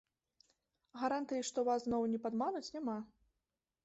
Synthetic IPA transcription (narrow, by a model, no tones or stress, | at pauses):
ɣaɾant̪ɨjiʂt̪ɔvasznɔwnʲɛpad̪manut͡sʲnʲama